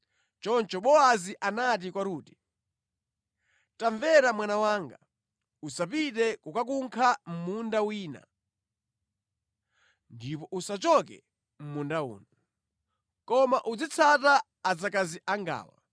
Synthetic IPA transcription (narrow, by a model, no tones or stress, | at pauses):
t͡ʃɔnt͡ʃɔɓɔaziʔanat̬ikwaɾuːti̥ | taɱvɛɾamwanawaːŋɡa | usapitɛkukak̬uŋkʰam̩mundawiːna̰ | ndipɔʔusat͡ʃɔkɛ̰ | m̩mundaṵːnɔ | kɔmaʔud͡zit͡sʰataː | d͡zakaziʔaŋɡa̰ːwa̰